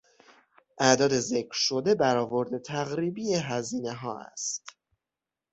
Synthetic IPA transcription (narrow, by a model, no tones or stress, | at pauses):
ʔæʔd̪ɒːd̪e̞zecʰɾʃo̞d̪e̞bæɾɒːvo̞ɾd̪e̞t̪ʰæɣɾiːbijeɦæziːne̞ɦɒːæ̰st̪